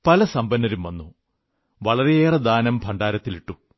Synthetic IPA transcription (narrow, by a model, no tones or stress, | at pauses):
pɐlɐsɐmbɐnːɐɾumʋɐnːu | ʋɐɭɐɾeeːrɐd̪aːnɐmpɐɳɖaːɾɐt̪ːiliʈːu